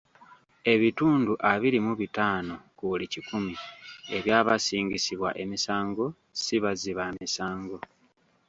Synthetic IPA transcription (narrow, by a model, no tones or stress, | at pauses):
e̞βituːnduʔaβiɾimuβitaːno̞kuulicikumie̞βjaːβasiːɲɟisiβwaʔe̞misaːŋɡo̞ | siβaziβamisaːŋɡo̞